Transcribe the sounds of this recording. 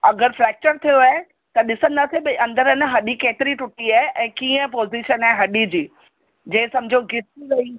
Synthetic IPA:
ɐɡəɾfɾɛːk̚t͡ɕəɾt̪ʰijoaːɦe | t̪ɐɗɪsə̃nd̪aːseɓɪɐ̃nd̪əɾɪnəɦɐɗikeːt̪ɪɾiʈʊʈiaːɦeʔɛ̃ːkiːə̃p̬oːziʃənaeɦɐɗid͡ʑiː | d͡ʑẽːsɐmɪd͡ʑʱoɡɪsiɾɐi

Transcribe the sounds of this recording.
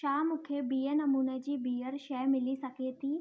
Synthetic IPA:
ʃaːmʊkʰebiːjenɐmuːnɛd͡ʑiːbiːəɾʃɛːmɪlisɐkʰeːt̪iː

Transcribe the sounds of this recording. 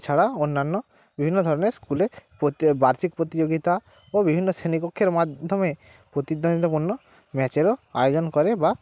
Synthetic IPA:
t͡ʃʰaɽaonːanːɔ | bibʱinːod̪ʱɔɾɔneɾskulepobaɾt̪ʰik̚pɾot̪id͡ʑoɡit̪a | obibʱinːosenipokʰːeɾmad̪ʱɔme | pɾot̪id̪ːond̪it̪opuɾnːɔ | mɛt͡ɕeɾoa̰jod͡ʑonkɔɾeba

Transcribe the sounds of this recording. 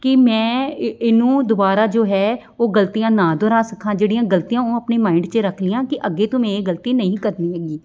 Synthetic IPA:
kɪmɛ̃ːɪnũːd̪ʊbaːɾaːd͡ʒoːɦɛː | oːɡəlt̪ijãːnãːd̪oɾãːsəkʰːãːd͡ʒeːɽijãːɡəlt̪ijãːoːəpneːmãːɪ̃ɳɖt͡ʃeɾəkʰlɪjãːkɪʔəɡeːt̪ʊmẽːeːɡəlt̪iːnəĩːkəɾniːɦɛːɡiː

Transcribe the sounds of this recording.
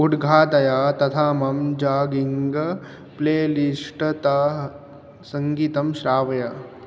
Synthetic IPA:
uɖɡʱaːt̪ɐjaːt̪ɐt̪ʰaːmɐmd͡ʒaːɡiŋɡɐ | pleːliʂʈt̪a | sɐŋɡiːt̪ɐmʃɾaːʋɐjaː

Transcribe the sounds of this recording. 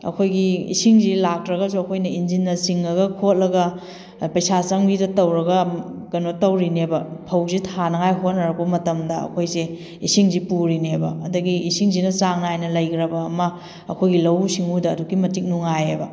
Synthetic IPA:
ɐ̰kʰojɡiḭsiŋzilak̚tɾɐɡɐsuɐkʰojnɐind͡ʒinːɐsiŋːɐɡɐkʰot̚lɐɡɐ | pɐjsasɐŋbidɐtɐwɾɐɡɐkɐnotɐwɾinebɐpʰɐwzitʰanɐŋajɦot̚nɐɾɐk̚bɐmɐtɐmdɐɐ̰kʰojze | isiŋzipuɾinebɐɐdɐɡiːsiŋzinɐt͡ʃaŋnaajnɐlɐjkɾɐbɐːmɐ | ɐkʰojɡilɐwsiŋudɐːduɡimɐtik̚nuŋajebɐ

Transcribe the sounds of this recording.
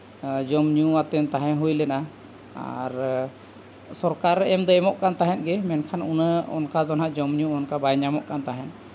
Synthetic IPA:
d͡ʒɔmɲuwat̪ɛnt̪aɦɛ̃ɦujlɛna | a̰ɾ | sɔɾkaɾɛmd̪ɔɛmɔʔkant̪aɦɛ̃t̪̚ɡɛmɛnkʰanunəɔ̰nkad̪ɔnɦaʔd͡ʒɔmɲũɔnkabajɲamɔʔkant̪aɦɛ̃n̚

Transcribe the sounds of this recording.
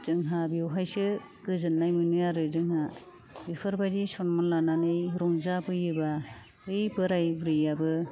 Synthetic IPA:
z̥ɯŋɦabiwɦajsɯ | ɡ̥ɯzɯnːajmɯnɯjaɾɯdɯŋɦa | bipʰɯɾbajdisɔnmɔnlananɯjɾɔŋzabɯjɯba | pɯjbɯɾajbɾɯjabɯ

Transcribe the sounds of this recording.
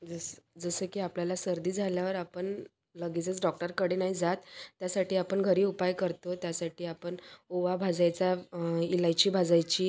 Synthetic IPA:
d͡zəsd͡zəsəkiːapljalasəɾd̪iːd͡zʱaljaʋəɾapəɳ | ləɡit͡sət͡sɖɔk̚ʈəɾkəɽ̤enaɦid͡zat̪ːjasaʈʰiːapəɳɡʱəɾiːupajkəɾt̪ot̪jasaʈʰiːapəɳoʋabʱad͡zajt͡sailajt͡ɕiːbʱad͡zajt͡ɕiː

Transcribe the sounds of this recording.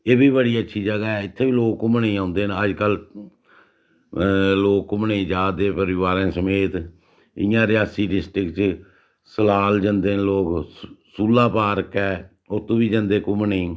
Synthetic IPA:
eːbiːbəɽiːətːʃʰiːd͡ʒəɡaːɛːɪt̪ʰːeːbiːloːkːʊmnẽːãːʊnd̪eːnəd͡ʒkəl | loːkːʊmnẽːd͡ʒaːd̪eːpəɾɪʋaːɾẽːsəmeːt̪ | ɪjãːɾɪjaːsiːɖɪsʈɾɪkt͡ʃ | səlaːld͡ʒənd̪eːnloːksuːlːaːpaːɾəkɛː | ʊt̪ʰõːʋiːd͡ʒənd̪eːkʊmɳẽː

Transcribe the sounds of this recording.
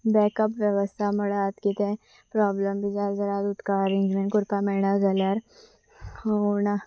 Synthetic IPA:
bɛːkəpʋjɐʋəst̪ʰamɐɽaːt̪kit̪ẽ | pɾaːbləmbid͡ʒaːɾzɐɾaːd̪ʊt̪kaɾĩnd͡ʒmẽnkʊɾpamɛːnazɐlaːɾ | ona

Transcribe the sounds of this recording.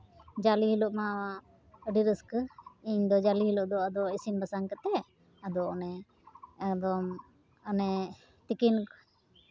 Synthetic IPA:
d͡ʒaliɦilɔʔmawaʔ | əɖiɾəskiɲd̪ɔd͡ʒaliɦilɔʔd̪ɔad̪ɔisinbasaŋkət̪ɛ | ad̪ɔɔnɛː | kd̪ɔm | ənɛ | t̪ikin

